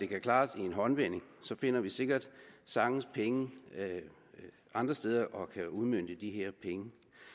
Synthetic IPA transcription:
d̥e̝kʰækʰlɑ̈ːsie̝nɦɒ̽nʋen̰e̝ŋsɒ̽fe̝nɐʋise̝ɡ̥ɐd̥sɑ̈ŋn̩spʰeŋə | ɑ̈nd̥ʁɐsd̥eːð̞ˠɐʔɒ̽kʰæuðˠmøn̰d̥əd̥iɦeɐ̰pʰeŋə

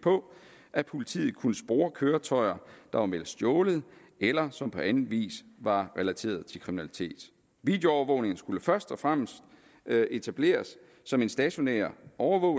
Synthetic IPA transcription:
pʰɒ̽ | ʔæpʰolit͡sʰḭːð̩ˠkʰunəsb̥ʁoːɐkʰøːɐt͡sʰɒ̽ɪ̰ɐd̥ɑ̈ʋɑ̈melsd̥jɔːləð̩ˠ | elɐsɒ̽mpʰɒ̽ænðn̩ˠʋḭːsʋɑ̈ʁɛlæt͡sʰe̝̰ːɐð̞ˠt͡sʰe̝lkʰʁiminælit͡sʰe̝̰ːd̥ | ʋid̥jo̝ɒʊɐʋɔ̽ʊne̝ŋn̩sɡ̥uləfɶɐsd̥ɒfʁam̰sd̥ | e̝t͡sʰæb̥le̝̰ːɐsː | ɒ̽me̝nsd̥ɛɕo̝nḛːɐɒʊɐʋɔ̽ʊ

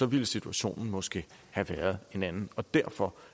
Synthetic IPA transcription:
sɒ̽ʋiləsit͡sʰuæɕo̝̰ːnn̩mɒ̽sɡ̥e̝̰ːhæʋæːɐð̞̩ˠe̝nænn̩ɒ̽d̥æɐ̰fɒ̽

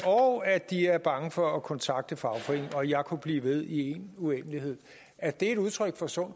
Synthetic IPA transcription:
ɒʊæd̥iæɐb̥ɑ̈ŋəfɒ̽ːkʰɒ̽nt͡sʰɑ̈ɡ̥̚d̥əfɑ̈ʊfʰʁiŋɒ̽jɑ̈ɪkʰub̥lḭːʋe̝ð̞ˠie̝nuen̰əlihe̝ð̞̰ˠ | æd̥e̝e̝ɾuðˠt͡sʰʁœɡ̥fɒ̽sɔ̽n̰

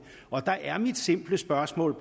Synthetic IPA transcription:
ʔɒ̽d̥ɑ̈ʔæɐmid̥se̝m̰b̥ləsb̥ɶɐsmɔ̰ːlb̥ʰ

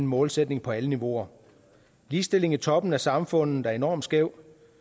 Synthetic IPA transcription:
n̩mɔ̽ːlsed̥ne̝ŋpʰɒ̽æləniʋo̝ɐ | liːsd̥e̝le̝ŋit͡sʰɒ̽b̥n̩æsɑ̈mfɔ̽n̰ð̩̥æɐe̝nɒ̰ːmd̥sɡ̥eʊ̰

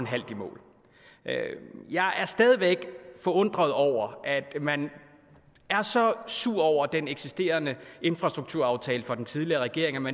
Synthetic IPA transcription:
nɦæl̰d̥imɔ̰ːl | jɑ̈ɪʔæɐsd̥ɛːð̞ˠiʋeɡ̥fɒ̽ɔ̽n̰d̥ʁɐð̞ˠɒʊ̰ɐæd̥mæn | æɐsɒ̽suɐ̰ɒʊ̰ɐd̥eneɡ̥sisd̥e̝̰ːɐnəe̝nfʁɑ̈sd̥ʁuɡ̥̚t͡sʰuɐ̰ɑ̈ʊt͡sʰɛːləfɒ̽d̥en̩t͡sʰið̞ˠliɐʁɛɡ̥e̝ɐ̰e̝ŋæmæ

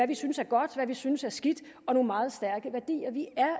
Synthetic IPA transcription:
æʋisynsæɐɡ̥ɒ̽d̥ʋæʋisynəsæɐsɡ̥id̥ | ɒ̽no̝ːnmɑ̈ːð̩ˠsd̥æɐɡ̥əʋæɐd̥ḭːɐʋiæɐ

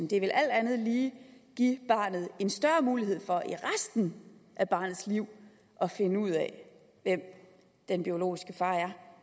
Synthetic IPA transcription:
nd̥e̝ʋe̝lʔæl̰d̥ænð̞̩ˠliːɡ̥iːb̥ɑ̰̈ːnð̩ˠe̝nsd̥ɶɐmuːlihe̝ð̞̰ˠfɒ̽ʔiʁasd̥n̩ʔæb̥ɑ̈ːnð̩ˠsliʊ̰ | ʔɒ̽fe̝nəuð̞̰ˠɛ | ʋem̰ | d̥enb̥io̝lo̝̰ːisɡ̥əfɑ̈ːæɐ

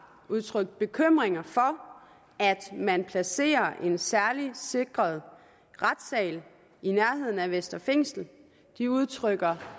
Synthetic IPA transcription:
uð̞ˠt͡sʰʁœɡ̥̚d̥̚b̥e̝kʰøm̰ʁeŋɐfɒ̽ | æd̥mænpʰlæse̝̰ːɐʔe̝nsæɐlise̝ɡ̥ʁɐð̞ˠ | ʁad̥sɛ̰ːl | inæɐɦe̝ð̰ˠn̩æʋesd̥ɐfeŋ̰sl̩ | d̥iuð̞ˠt͡sʰʁœɡ̥ɐ

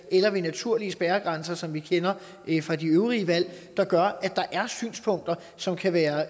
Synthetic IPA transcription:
elɐʋe̝næt͡sʰuɐ̰liəsb̥æːɐɡ̥ʁɑnsɐsɒ̽mʋikʰenɐ | fʁɑ̈d̥iøʊʁiəʋæl̰d̥ɑ̈ɡ̥ɶɐæd̥ɑ̈ʔæɐsy̰ːnspʰɔ̽ŋ̰d̥ɐ | sɒ̽mkʰæʋæːɐ

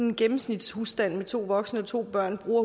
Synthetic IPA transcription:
enɡ̥emm̩snid̥shusd̥æn̰met͡sʰo̝̰ːʋɒ̽ɡ̥snəɒ̽t͡sʰo̝̰ːb̥ɶɐ̰nb̥ʁuːɐ

